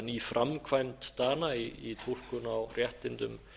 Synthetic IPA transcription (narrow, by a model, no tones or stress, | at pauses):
niːfɾʔamkʰvajmt̪ːaːnaiit̪ʰur̥kʏnawrjɛht̪ɪnt̪ʏm